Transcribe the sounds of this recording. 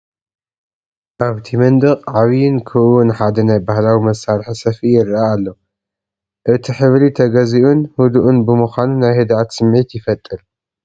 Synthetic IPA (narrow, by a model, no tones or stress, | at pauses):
ʔaβt̪ʰimɐnd̪ɨqʼʕaβijɪnkʰɨʔwunħad̪ɐnajbahlawimɐsːaɾħisɐfijɪɾaːlːo̞ | ʔɨt̪ʰiħɨβlit̪ʰɐɡɐziʔunhud̪uʔunbɨmuxʷanunajhɨd̪ʕat̪sɨmʕit̪jɪfɐt̪ʼːɨl